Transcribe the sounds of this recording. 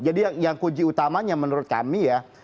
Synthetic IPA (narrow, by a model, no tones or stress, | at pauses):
d͡ʒadijaŋjaŋkud͡ʒiut̪amaɲamənuɾʊt̪̚ka̰mija